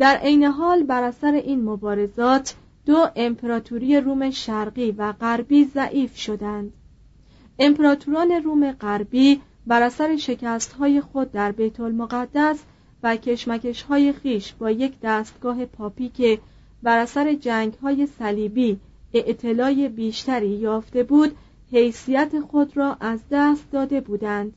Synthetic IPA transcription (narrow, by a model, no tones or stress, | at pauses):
d̪̥æɾʔejne̞ɦɒːlbæɾæsæɾe̞ʔiːnmobɒːɾe̞zɒːt̪ʰ | d̪̥oʔe̞mpʰeɾɒːt̪ʰuɾije̞ɾuːme̞ʃæɾɢiːvæɢæɾbiːzæʔiːfʃo̞d̪ænd̪̥ | e̞mpʰeɾɒːt̪ʰuɾɒːne̞ruːme̞ɢæɾbiː | bæɾæsæɾe̞ʃe̞cʰæst̪ɦɒːje̞xo̞d̪̚ːæɾbe̞jt̪ʰo̞lmoɣæd̪ːæs | væcʰe̞ʃmæce̞ʃhɒːje̞xiːʃb̥ɒːje̞cʰd̪æːst̪̚ɡ̥ɒːɦe̞pʰɒːpiːcʰe̞ | bæɾæsæɾe̞d͡ʒæːŋɡɦɒːje̞sæliːbiː | eʔt̪ʰːe̞lɒːje̞biːʃt̪æɾiːjɒːft̪e̞buːd̪̥ | he̞jsijæt̪ʰe̞xo̞d̪rɒːʔæzd̪æːst̪̚d̪ɒːd̪e̞buːd̪ænd̪̥